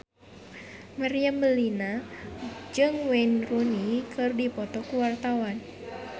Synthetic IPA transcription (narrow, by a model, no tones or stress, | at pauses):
maɾiambəlina | d͡ʒɨŋwɛnrunikɨrdipɔt̪ɔkuwart̪awan